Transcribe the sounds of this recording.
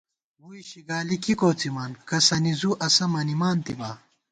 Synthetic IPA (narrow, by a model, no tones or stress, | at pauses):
uiɕiɡaːlikikoːt͡simaːnkɐsɐnizuʔɐsɐmɐnimaːnt̪ibaː